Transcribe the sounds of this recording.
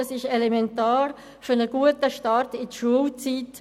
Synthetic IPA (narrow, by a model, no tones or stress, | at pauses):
ɑsɪʃelemɛntaːɾ | fɔnəɡ̥uətəʃtɑɾtɪdəʃuəlt͡siːt